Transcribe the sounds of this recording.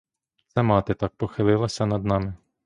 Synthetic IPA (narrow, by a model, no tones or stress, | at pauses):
sɛmɑt̪ɪt̪ɑk̚pɔxɪlˠɪlˠɐsʲɐnɐd̪nɑmɪ